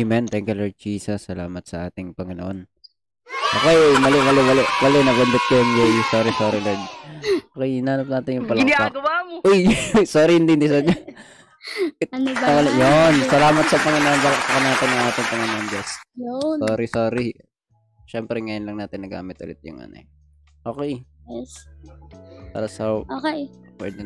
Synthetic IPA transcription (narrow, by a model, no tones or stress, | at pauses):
mɛnt̪ɛŋkʊlod͡ʒiːsɐsːɐlaːmɐt̪̚sɐʔaːt̪ɪŋpɐŋɪnoʔon | ʔoːkɛjmɐlɪwalɪwɐlɛwɐlɛnɐbɐnd̪ɪt̪̚kɐjʊŋd͡ʒɛjsoːɾɪsoːɾɪlɛd̪̚oːkɛjhɪnaːnɐp̚naːt̪ɪnjʊŋpɐlaʊjsoːɾiɪnd̪ɪnd̪ɪsɐɲɐ | ɪt̪t̪ːɐɐljonsɐlaːmɐt̪̚sɐpɐŋɐnambalk̚p̪ɐkɐnaːt̪ɪnjɐŋʔaːt̪ɪŋpɐŋɐnambɐsjsoːɾisoːɾi | ʃɛmpɾɛŋɐjonlɐŋnaːt̪ɪnːɐɡa̰ːmɪt̪ʔʊ̰lɪ̰t̪̚jʊ̰ŋʔɐ̰no̰ | ʔoːkɛjɛ | pa̰ɾɐsaookpwɛ̰ːd̪ɛ